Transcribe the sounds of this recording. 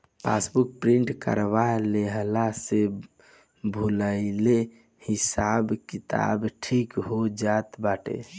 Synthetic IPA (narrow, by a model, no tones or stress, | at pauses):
pʰa̰sbuk̚pɾĩɳʈkə̰ɾʋaleɦlase | bʱuləɪle | hisabkit̪a̰bʈʰikɦod͡ʒat̪baʈḛ